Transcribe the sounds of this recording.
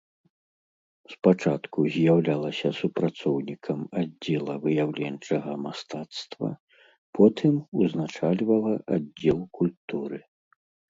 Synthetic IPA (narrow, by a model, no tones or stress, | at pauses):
spat͡ʂat̪kuzʲjawlʲalˠɐsʲɐsupɾat̪sɔwnʲikʰɐmadd͡zʲːɛlˠɐvɨjawlʲɛnt͡ʂɐɣɐmast̪at̪st̪vɐ̰ | pʰɔt̪ʰɨmuznat͡ʂalʲvɐlˠɐʔadd͡zʲːɛlˠkulʲt̪uɾɨ